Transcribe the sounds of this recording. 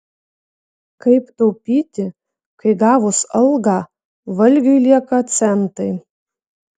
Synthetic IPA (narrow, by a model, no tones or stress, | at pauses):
kɐɪpt̪ɐwpʲiːt̪ʲɪ | kʰɐɪɡɑːʋʊsɐlˠɡɑ | ʋɐlʲɡʲɐjlʲiɛkɐsɛnt̪ɐj